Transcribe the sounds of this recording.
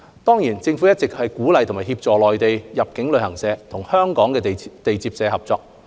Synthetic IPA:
t̪ɔː˥ŋjiː˨˩nt͡sɪ˧ŋfuː˨˥jɐ˥t̚t͡sɪ˨k̚hɐ˨jkuː˨˥lɐ˨jt̪ʰʊ˨˩ŋmaː˨˩hiː˧p̚t͡sɔː˨lɔː˨jt̪e˨jjɐ˨p̚kɪ˨˥ŋlɵ˨˧ɥhɐ˨˩ŋsɛː˨˧t̪ʰʊ˨˩ŋhœː˥ŋkɔː˨˥ŋkɛː˧t̪e˨jt͡siː˧p̚sɛː˨˧hɐ˨p̚t͡sɔː˧k̚

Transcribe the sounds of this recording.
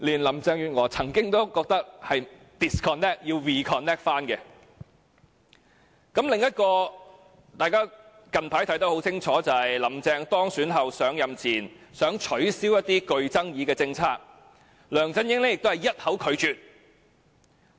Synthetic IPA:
liː˨˩nlɐ˨˩mt͡sɛː˧ŋjyː˨t̚ŋɔː˨˥t͡sʰɐ˨˩ŋkɪ˥ŋt̪o˥wkɔː˧k̚t̪ɐ˥k̚hɐ˨j | t̪ɪ˨˩skʰɔː˨nːɛː˥k̚jiː˧wwiː˨kʰɔː˨nːɛː˥k̚faː˥nkɛ˧ | kɐ˨˥mlɪ˨ŋjɐ˥t̚kɔː˧ | t̪aː˨jkaː˥ | kɐ˨npʰaː˨˥jt̪ʰɐ˨˥jt̪ɐ˨˥whwt͡sʰɪ˥ŋt͡ʃʰɔː˨˥t͡sɐ˨hɐ˨jlɐ˨˩mt͡sɛː˧ŋt̪ɔː˥ŋsyː˨˥nɦɐ˨wsœː˨˥ŋjɐ˨mt͡sʰiː˨˩nsœː˨˥ŋt͡ʃʰɵ˨˥ɥsiː˥wjɐ˥t̚t̪iː˥kɵ˧ɥt͡sɐ˥ŋjiː˨˧˥kɛː˧t͡sɪ˧ŋt͡sʰaː˥k̚ | lœː˨˩ŋt͡sɐ˨˥njɪ˥ŋlɛ˥jɪ˨k̚t̪o˥hɐ˨˩jɐ˥t̚hɐ˨˥wkʰɵ˨˧ɥt͡ʃyː˨˧t̚

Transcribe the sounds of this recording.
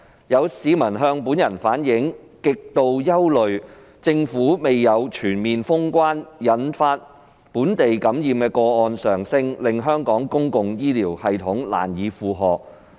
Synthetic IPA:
jɐ˨˧wsiː˨˧˥mɐ˨˩nɦœː˧ŋpuː˨˥njɐ˨˩nfaː˨˥njɪ˨˥ŋ | kɪ˨k̚t̪o˧wjɐ˥wlɵ˨ɥ | t͡sɪ˧ŋfuː˨˥me˨jːɐ˨˧wt͡ʃʰyː˨˩nmiː˨nfʊ˥ŋkʷaː˥njɐ˨˥nfaː˧t̚ | puː˨˥nt̪e˨jkɐ˨˥mjiː˨mkɛː˧kɔː˧ɔː˧nsœː˨˩ŋsɪ˧ŋlɪ˨ŋɦœː˥ŋkɔː˨˥ŋkʊ˥ŋkʊ˨ŋjiː˥liː˨˩whɐ˨jt̪ʰʊ˨˥ŋla̰ː˨˩njiː˨˧fuː˨ɦɔː˨k̚

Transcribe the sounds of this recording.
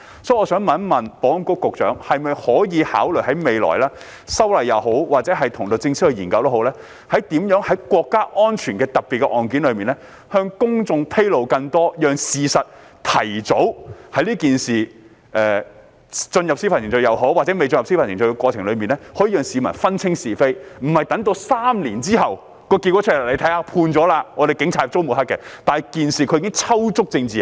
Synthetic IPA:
sɔː˨˥ɔː˨˧sœː˨˥ŋmɐ˨˥nmɐ˨npɔː˨˥˨ŋkʊ˥kkʊ˨k̚t͡ʃœ̰ː˨˥ŋhɐ˨jmɐ˨jhɔː˨˥jiː˨˧ha̰ː˨˥wlɵ˨˩jɦɐ˨˥jme˨jlɔ̰ː˨˩jlaː˥ | sɐ˥wlɐ˨jːɐ˨wɦo˨˥wwaː˨k̚t͡sɛː˨˥ɦɐ˨jt̪ʰʊ˨˩ŋt̪o˨˧wt͡sɪ˧ŋskhɛ˨˧jiː˨˩nkɐ˧wt̪o˥ho˨˥wlɛː˥ | hɐ˨˥jt̪iː˨˥mjœː˨˥ŋhɐ˨˥jkʷɔː˧kːaː˥ʔɔː˥nt͡ʃʰyː˨˩nkɛː˧t̪ɐ˨k̚pi˨t̚kɛ˧ʔɔː˨˩nkiː˨˥nlɵ˨˧ɥmiː˨nlɛː˥ | hœː˧ŋkʊ˥ŋt͡sʊ˧ŋpʰe˥jlo˨˧wkɐ˧ŋt̪ɔː˥jœː˨˩ŋsiː˨sɐ˨t̚t̪ʰɐ˨˩jt͡so˨˥whɐ˨˥jliː˥kiː˨nsiː˨˩ | ʔɛː˨ | t͡sɵ˧njɐ˨p̚si˥pʰa˨˩sʰɪ˨˩ŋt͡ʃɵ˧jɐ˨˧wɦo˨˥waː˨t͡sɛː˨˥me˨jt͡snjɐ˨p̚si˥pʰɐ˨˩nsɪ˨˩t͡ɕɵ˧kɛ˧kʷwɔː˧t͡sʰɪ˨˩ŋlɵ˨˧miː˨nlɛ˥hɔː˨˥jiː˨˧jœː˨ŋsiː˨˧mɐ˨˩nfɐ˥nt͡sʰɪ˥ŋsiː˨fe˥jm̩˨˩hɐ˨jt̪ɐ˨˥ŋt̪̬o˧wsaː˥mliː˨˩nt͡siː˥ɦɐ˨w | kɔː˧ki˧kʷːɔ˨˥t͡ʃʰlle˨˧˥t̪ʰɐ˨˥jhaː˧pʰuː˧nt͡sɔː˨˥laː˧ŋɔ˨˧ɾe˨jkɪ˨˥ŋt͡sʰaː˧j̚t͡so˥wmu˨˩ɦɐ˥kːɛ˧t̪aː˨kiː˨nsiː˨˩kʰɵ˧iː˨˥kɪ˥ŋt͡sʰɐ˥wt͡sʊ˥k̚t͡sɪ˧ŋt͡siː˨

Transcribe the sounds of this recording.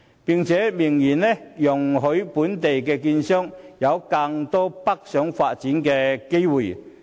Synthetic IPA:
pi˨ŋt͡sʰɛː˨˥mɪ˨˩ŋjiː˨˩nlɛ˥jʊ˨˩ŋɦɵ˨˥ɥpuː˨˥nt̪e˨jkɛː˧kiː˧nsœː˥ŋjɐ˨˧wka˧ŋt̪ɔː˥pɐ˥k̚sœː˨˥ŋfaː˧t̚t͡siː˨˥nkɛː˧ke˥jwuː˨˩

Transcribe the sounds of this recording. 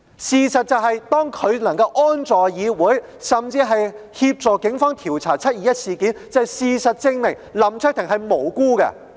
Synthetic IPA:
siː˨sɐ˨t̚t͡sɐ˨wɦɐ˨jt̪ɔː˥ŋkʰɵ˨˧ɥnɐ˨˩ŋkɐ˧wʔɔː˥nt͡sɔː˨jjiː˨˧wuː˨˥j | sɐ˨mt͡siː˧ɦɐ˨jhiː˧p̚t͡sɔː˨kɪ˨˥ŋfɔː˥ŋt̪ʰiː˨˩wt͡sʰaː˨˩t͡sʰɐ˥t̚jiː˨˧jɐ˥t̚siː˨˩kiː˨˥nt͡sɐ˨ɐ˨˩jsiː˨˧sɐ˨t̚t͡sɪ˧ŋmɪ˨˩ŋlɐ˨˩mt͡ʃʰɵ˥k̚t̪ʰɪ˨˩ŋɦɐ˨jmo˨˩wkuː˥kɐ̰˧

